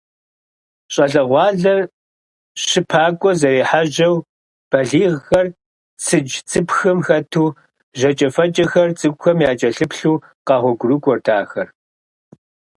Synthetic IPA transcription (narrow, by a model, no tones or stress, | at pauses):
ɕʼɐɬɐʁʷɑːɮɐr | ɕɪpʰaːkʷʼɔzɐɾiːħaʒɐw | b̥ɐɮiːʁxɐr | sʰɨd͡ʒt͡sʼɨpxɐmxɐtʰuː | ʑɐt͡ʃʼɐfɐt͡ʃʼɐxɐrt͡sʼɨkʷʼʊxɐmjaːt͡ʃʼɐɬɨpɬuː | qɑːʁʷɔɡʷʊrukʷʼɔrtʰaːxɐr